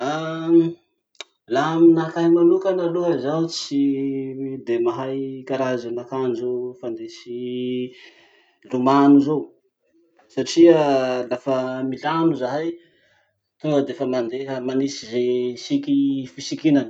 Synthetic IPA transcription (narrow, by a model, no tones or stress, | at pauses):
a | laminakaɦimanukanaluɦazawt͡si | d̪emaɦajkaɾazanakanizofand̪esi | lumanuzow | saʈ͡ʂialafəmilanuzaɦaj | t̪uŋɡəd̪eefəmand̪eɦəmanisizesikifisikinan